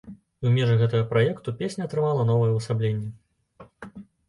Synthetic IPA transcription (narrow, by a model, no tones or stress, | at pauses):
umʲɛʐɨɣɛt̪ɐɣɐpɾajɛkt̪upʲesʲnʲɐɐt̪ɾɨmalˠɐnɔvɐjɛwsablʲenʲːɛ